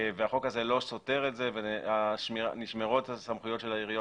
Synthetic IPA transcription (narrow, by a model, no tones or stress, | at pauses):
veaχo̞kaze̞lo̞so̞te̞ʁetze̞veaʃmniʃmeʁotasamχujotʃelaiʁijo